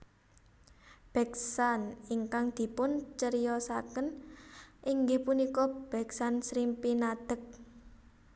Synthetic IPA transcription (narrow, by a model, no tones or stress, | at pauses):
b̥ɛ̤ksaniŋkaŋd̪̥i̤pʊnt͡ʃəɾijɔsakən | ʔiŋɡɪhpunikɔb̥ɛ̤ksansɾimpinad̪̥ə̤k̚